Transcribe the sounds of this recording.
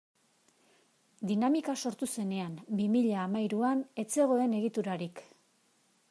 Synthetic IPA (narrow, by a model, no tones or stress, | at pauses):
d̪inamikaso̞ɾt̪use̞ne̞ambimiʎaːmajɾuane̞t͡seɣ̞o̞e̞ne̞ɣ̞it̪uɾaɾik